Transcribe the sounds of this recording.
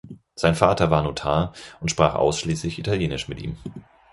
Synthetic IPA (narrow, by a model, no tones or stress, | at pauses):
z̥aɪnfaːtɐvaːɐnoːtʰaːɐʔʊntʃpʁ̥aːχʔa̰ʊsʃliːslɪçʔitʰaljeːnɪʃmɪtʔḭːm